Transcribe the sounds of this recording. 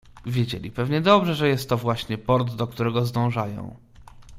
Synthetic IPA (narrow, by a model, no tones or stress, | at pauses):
vʲjed͡ʑḛlʲḭpɛvɲɛd̪ɔbʐɛʐɛjɛst̪ːɔvwaɕɲɛpɔɾt̪ːɔk̚t̪uɾɛɡɔzd̪ɔ̃w̃ʐajɔ̰̃w̃